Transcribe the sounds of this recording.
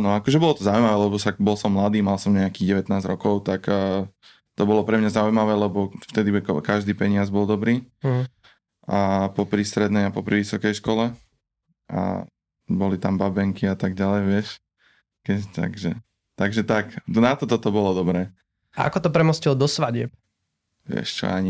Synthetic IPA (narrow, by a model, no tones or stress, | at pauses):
anɔakɔʒɛbɔlɔt̪ɔzaujmaʋɛːlɛbɔsakbɔlsɔmːlad̪iːmalsɔmɲɛakiɣɟɛʋɛt̪naːzɾɔkɔʊt̪akː | t̪ɔbɔlɔpɾɛmɲazaujmaʋɛːlɛbɔft̪ɛd̪ikkaʒd̪iːpɛɲɪazbɔld̪ɔbɾiː | apɔpɾist̪ɾɛd̪nɛjapɔpɾiʋisɔkɛjʃkɔlɛ | ʔa̰ | bɔlit̪ambabɛŋkiat̪aɡɟalɛjʋɪɛʃ | kɛt̪a̰ɡʒɛ | t̪aɡʒɛt̪aknat̪ɔt̪ɔt̪ɔbɔlɔd̪ɔbɾɛː | aa̰kɔt̪ɔpɾɛmɔscild̪ɔsʋaɟɪɛp̚ | ʋɪɛ̰ʃt͡ʃɔ̰aɲi